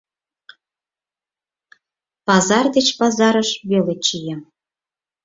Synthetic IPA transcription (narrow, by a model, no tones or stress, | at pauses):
pɑzɑrd̪et͡ɕpɑzɑɾəʃβelet͡ɕijəm